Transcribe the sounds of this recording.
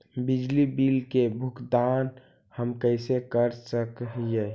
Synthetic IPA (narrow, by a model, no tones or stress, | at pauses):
bid͡ʒlibilkebʱʊkd̪an | həmkəɪsekəɾsəkje